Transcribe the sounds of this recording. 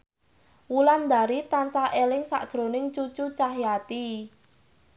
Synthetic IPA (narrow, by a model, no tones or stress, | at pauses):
wuland̪a̤ɾit̪ansaʔelɪŋsa̰ʔd̥ʒ̥ɾo̤nɪŋt͡ʃut͡ʃut͡ʃaɦjat̪i